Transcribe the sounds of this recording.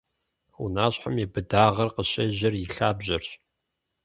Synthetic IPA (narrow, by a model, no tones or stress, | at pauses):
ṵnaːɕħamjɛbɨdaːʁɐrqəɕɐʑɐrjɪɬaːbʑɐrɕ